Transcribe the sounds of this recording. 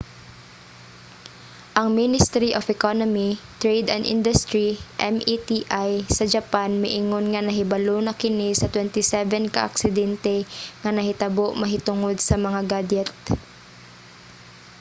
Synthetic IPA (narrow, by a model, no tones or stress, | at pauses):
ʔɐŋminɪst̪ɾiʔofɛkonomit̪ɹejd̪ɐnd̪ʔḭnd̪ʊst̪ɹiʔɛmʔit̪iʔajsɐd͡ʒɐpanmɪʔɪŋonŋɐnɐɦɪbɐlonɐkɪnɪsɐt̪wɛnt̪ɪsɛvɛnkɐ̰ʔa̰ksɪd̪ɛnt̪ɛŋɐnɐhɪt̪ɐboʔmɐɦɪt̪ʊŋod̪̚sɐmɐŋaɡad͡ʒɛt̪̚